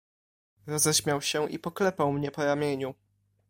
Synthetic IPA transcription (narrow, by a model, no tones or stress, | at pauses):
ɾɔzɛɕmʲjawɕɛʔḭpɔklɛpawmɲɛpɔɾamʲjeɲu